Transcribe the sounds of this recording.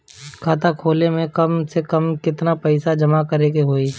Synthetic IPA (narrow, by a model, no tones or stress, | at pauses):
kʰaːt̪ʰakʰoːlemẽkɐmsekɐmkɪt̪napɛɪsad͡ʒɐmakɐɾeːkeɦoːiː